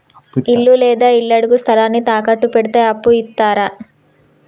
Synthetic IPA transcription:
ilːulɛːd̪aːilːɐɽuɡust̪ʰɐlaːnːit̪aːkɐʈːupeɽit̪eːɐpːuit̪ːaːɾɐ

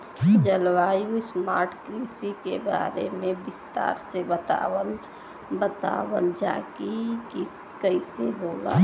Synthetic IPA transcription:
d͡ʒəlwaːjusmaːɾʈkɾiːsikeba̰ːɾemẽbɪst̪a̰ːɾsebət̪a̰ːwən | bət̪a̰ːwənd͡ʒa̰ːkiki | kəɪseɦola̰

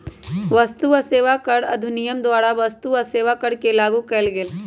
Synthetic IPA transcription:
ʋɐst̪uəseːʋakəɽɐ̰d̪ʱʊnɪjəmd̪waːɽaʋɐst̪uɐseːʋakəɽkelaːɡukɛlɡel

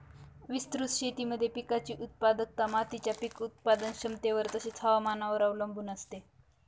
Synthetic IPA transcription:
ʋist̪ɾusɕet̪iːməd̪ʱːjepikat͡ɕiːʔut̪̚pad̪ək̚t̪amat̪it͡ɕjapikut̪̚pad̪ənɕəmt̪eʋəɾt̪əɕet͡sʰaʋamanaʋəɾaʋləmbʱuːnəst̪e

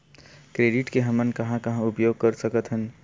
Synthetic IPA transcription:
kɾeːɖɪʈkeɦəmənkɐɦãkɐɦãʊpjoːɡ̚kəɾsəkət̪ɦən

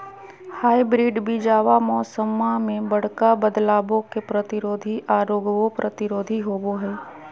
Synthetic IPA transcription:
haːibɾiːɖbid͡ʒaːʋamɔːsəmːamẽbɐɽ̤kabəd̪laːbõkepɾət̪ɪɾoːd̪ʱiʔaːɾoːɡʋopɾʔət̪ɪɾoːd̪ʱiɦoːboɦɛː

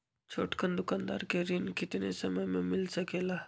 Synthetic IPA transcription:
t͡ʃʰoːʈkənd̪ʊkaːnd̪a̰ːɾkeɾɪnkɪt̪nḛsɐməmə̃mɪlsɐkeːlaː

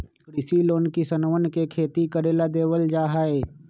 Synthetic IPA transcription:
ɾɪsiloːnkisənʋənkekʰeːt̪ikəɾeːlad̪eːwəld͡ʒaːɦaːeː

